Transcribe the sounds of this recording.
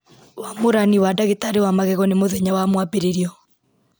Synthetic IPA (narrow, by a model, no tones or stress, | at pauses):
wamoɾaniwadaɣetaɾewamaɣɛɣɔnemoðɛɲawamwapeɾeɾiɔ